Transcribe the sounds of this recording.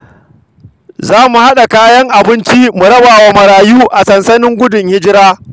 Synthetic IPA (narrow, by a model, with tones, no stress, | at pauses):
zaː˦mu˨ha˦ɗa˨kaː˦jɐ˦ŋʔa˨bɪ˦nt͡ʃi˦mu˨ɾɐ˦baː˨wa˨mɐ˨ɾaː˨juː˦ʔa˨sɐ˨nsɐ˦nɪ˦ŋɡʷʊ˦dʊ˨ŋhɪ˦d͡ʒɪ˦ɾaː˦